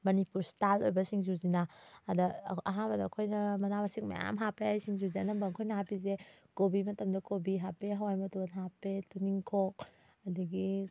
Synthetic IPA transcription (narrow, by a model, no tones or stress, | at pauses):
mɐnipuɾstalojbɐsiŋzuzinaːdɐɐɦabɐdɐːkʰojnɐmɐnabasik̚mɐ̰ja̰mɦapeajsiŋzuzeɐnɐmbɐŋkʰojnɐhapizekobimɐtɐmdɐkobiɦapeɦɐwajmɐtunɦapetuniŋkʰok̚ | ɐdɐɡi